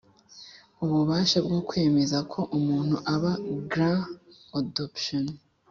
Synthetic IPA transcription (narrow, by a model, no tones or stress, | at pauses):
uβuβaːʃabɡokwe̞ːme̞zakʰo̞ʔumuːn̥huʔaβaɡɾã | adopʃon